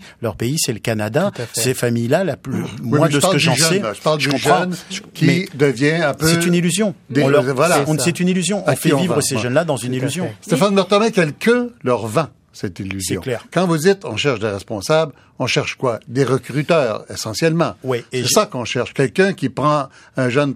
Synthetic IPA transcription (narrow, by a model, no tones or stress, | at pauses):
lœʁpeisɛləkanad̪asefamijlalapmwwɛ̃d̪əsaləɑ̃ʒsɛʒə̥paʁld̪ekɔ̃ʒɑ̃nʒkʲimɛd̪əvjɛ̃ɛ̃psøsɛt̪ynilyzjɔ̃d̪ẽlvwaãsɛt̪ynilyzjɔ̃ɔ̃fɛvivʁəseʒənlad̪ɑ̃zynilyzjɔ̃st̪efanmɛʁt̪ɑmɛkɛlkəlœʁvɑ̃ | sɛt̪ilːyszjɔ̃klɛʁkɑ̃vud͡zit̪ɔ̃ʃɛʁʃd̪eʁɛspɔ̃sabl | ɔ̃ʃɛʁʃkwad̪eʁəkʁyt̪œːʁesɑ̃sjɛlmɑ̃wisɛsakɔ̃ʃɛʁʃkʲɛlkʲɛ̃kʲipʁɑ̃ | ɛ̃ʒœn